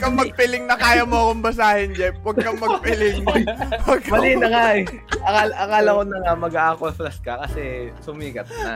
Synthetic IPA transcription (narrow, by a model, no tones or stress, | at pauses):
kɐmɐɡ̚pɪlɪŋnɐkaːjɐmoɐkoŋbɐs̬aːhɪnd͡ʒɛp̚wɐɡkɐmɐɡ̚pɪlɪŋwɐɡ̚kmɐlinɐŋaɛ | ʔɐkalɐkaːlɐkonɐŋamɐɡaʔakonflɐskɐkɐsɛsʊmiːkɐt̪̚a̰